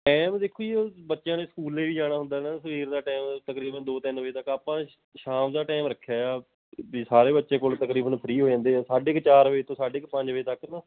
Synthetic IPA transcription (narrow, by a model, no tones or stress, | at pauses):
ʈɛːmd̪eːkʰoːiobətːʃjãːneːsə̥kuːleːʋiːd͡ʒaːɽ̃aːɦʊ̃nd̪aːnaːsəʋiːɾd̪aːʈɛːmt̪əkɾiːbənd̪oːt̪ɪnʋəiːt̪əkaːpãː | ʃaːmd̪aːʈɛːmɾəkʰːjaːjaː | bisaːɾeːbətːʃẽːkoːlt̪əkɾiːbənpʰəɾiːɦoːd͡ʒãːnd̪ẽːsaːɖeːkt͡ʃaːɾʋeit̪õːsaːɖeːkpə̃ɲd͡ʒʋiːt̪əknaː